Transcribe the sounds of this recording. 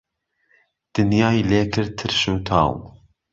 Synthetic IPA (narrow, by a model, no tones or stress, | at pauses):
d̪̥ɨnjaːjleːkʰɨɾ̚t̪ʰːɨɾʃuːt̪ʰɑ̰ːw